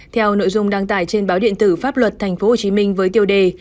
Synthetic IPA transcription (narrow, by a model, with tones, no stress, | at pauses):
t̪ʰɛ˧wno̰˧˨jzʊ˧ŋ͡mɗaː˧ŋt̪aː˧˩jt͡ɕe˧nɓaː˨˦wɗḭ˧˨ənt̪ɨ˧˩faː˦˥p̚lwə˨˩t̚t̪ʰa˨˩jŋ̟fo˨˦ho˨˩t͡ɕi˨˦mï˧ŋ̟vəː˨˦jt̪i˧əwɗe˧˩